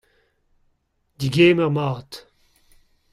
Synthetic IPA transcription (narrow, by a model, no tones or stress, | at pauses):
d̪iɡeːmɛʁmaːt̪